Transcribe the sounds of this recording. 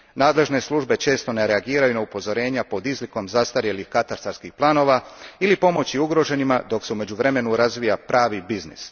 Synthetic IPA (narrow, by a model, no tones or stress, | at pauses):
naːd̪le̞ʒne̞slˠuʒbe̞t͡ʃe̞ːst̪o̞neɾeaɡiːɾajunaupo̞zo̞ɾe̞ːɲapo̞d̪izliko̞mzast̪aɾje̞lixkat̪aɾst̪aɾskixplˠaːno̞ːʋailipo̞mo̞t͡ɕiuɡɾo̞ʒe̞nimad̪o̞kse̞ume̞d͡ʑuʋɾe̞me̞nuɾazʋijapɾaːʋibiznḭs